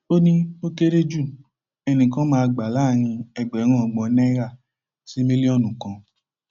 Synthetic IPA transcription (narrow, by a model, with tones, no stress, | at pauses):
o˦nĩ˦o˦ke˦ɾe˦d͡ʒu˦˨ | ɛ˧nĩ˨kã˦mãː˧ɡ͡ba˨la˦˨j̃ĩ˧ɛ˧˨ɡ͡bɛ˨˦ŋ̃ã˦˨ɔ˨ɡ͡bɔ˨˦nɛ˦ɾa˦˨ | si˦mĩ˦li˦ɔ˦˨nũ˨kã˧˦